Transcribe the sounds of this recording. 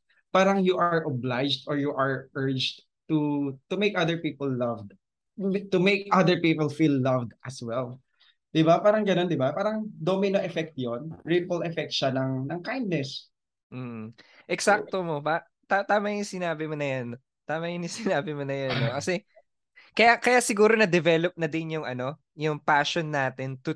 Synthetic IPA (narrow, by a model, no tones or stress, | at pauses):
paːɾɐŋjuʔaɹʔoblajd͡ʒd̪ɔɹjuʔɐɹʔɜɹd͡ʒd̪ | t̪ut̪ʊmejkɐd̪ɛɹpiːpɔlːɐvd̪ | t̪ʊmejkʔɐd̪əɹpiːpɔlfilːɐvd̪ʔɐswɛl | d̪ɪbapaːɾɐŋɡɐno̞nd̪ɪbapaːɾɐŋd̪omɪnoʔɛfɛk̚t̪̚jonɹipolʔɛfɛk̚t̪̚ʃanɐŋnɐŋkajnd̪̚nɛs | m̩ː | ʔɛksak̚t̪omo̞pa | t̪at̪aːmajɪŋsɪnaːbɪmonɐjan | t̪aːmaʔɪnɪsɪnaːbɪmonɐjɐnːokɐsɛ | kɐjakɐjasɪɡuːɾonɐd̪ɛvɛlop̚nɐd̪ɪnjʊŋɐno̞ | jʊŋpaːʃonːaːt̪ɪnt̪ʊ